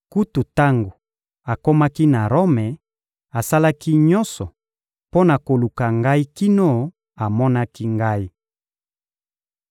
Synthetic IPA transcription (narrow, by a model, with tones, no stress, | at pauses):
ku˦tu˨ta˦ŋɡo˨ | a˨ko˦ma˦ki˦na˨ʁo˦mɛ˨ | a˨sa˦la˦ki˦ɲɔ̃˦nsɔ˨ | po˦na˨ko˨lu˨ka˨ŋɡa˦i˦ki˦no˦˨ | a˨mɔ˦na˦ki˦ŋɡa˦i˦